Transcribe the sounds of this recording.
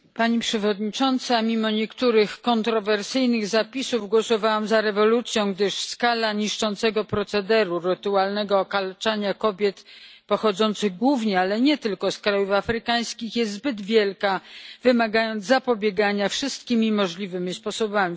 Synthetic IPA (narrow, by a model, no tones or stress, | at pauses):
paɲipʂɛvɔd̪ɲit͡ʂɔnt̪samʲimɔɲɛkt̪uɾɘxkɔnt̪ɾɔvɛɾsɘjnɘɣzapʲisuvɡwɔsɔvawamzaɾɛvɔlut̪sʲjɔ̃w̃ɡd̪ɘʂskalaɲiʂt͡ʂɔnt̪sɛɡɔpɾɔt̪sɛd̪ɛɾuɾɘt̪ualnɛɡɔːkalt͡ʂaɲakɔbʲjɛt̪pɔxɔd̪zɔnt̪sɘɣɡwuvɲɛalɛɲɛt̪ɘlkɔskɾajufafɾɘkaj̃skʲixjɛst̪zbɘd̪vʲjɛlkavɘmaɡajɔnd̪zzapɔbʲjɛɡaɲafʂɘst̪̚kʲimʲimɔʐlʲivɘmʲispɔsɔbamʲi